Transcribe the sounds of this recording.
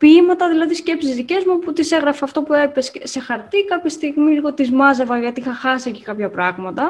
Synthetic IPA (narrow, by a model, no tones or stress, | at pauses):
pimɐt̪ɐðilɐðisce̞psizðice̞zmuput̪ise̞ɣɾɐfeɐft̪o̞pue̞pesse̞xɐɾt̪ikɐpçist̪iɣmiliɣo̞t̪izmɐzɐvɐʝɐt̪iixɐxɐsiecikɐpçɐpɾɐɣmɐt̪ɐ